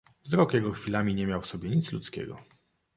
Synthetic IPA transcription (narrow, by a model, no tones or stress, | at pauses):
vzɾɔkjɛɡɔxfʲilamʲiɲɛmʲjawfsɔbʲjɛɲit̪slut̪skʲɛ̰ɡɔ̰